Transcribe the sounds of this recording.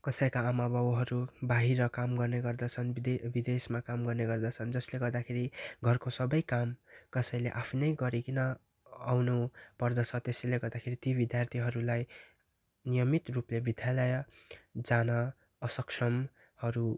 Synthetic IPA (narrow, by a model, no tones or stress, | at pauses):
kʌsʌjkaːmabʱʌbɦʌɾubaɦiɾʌkamɡʌrneɡʌrd̪ʌt͡sʰʌnbid̪esmakamɡʌrneɡʌrd̪ʌt͡sʰʌnd͡zʌsleɡʌrd̪akʰeɾiɡʱʌrkosʌbʌjkamkʌsʌj̃leʔapʰinʌjɡʌɾikinʌ | awnupʌrd̪ʌt͡sʰʌt̪esʌleɡʌrd̪akʰeɾit̪ibid̪jart̪ʰiɦʌɾulaj | nijʌmit̪ruplebid̪ʱjalʌjʌ | d͡zanʌ | ʌsʌksʰʌm | hʌɾu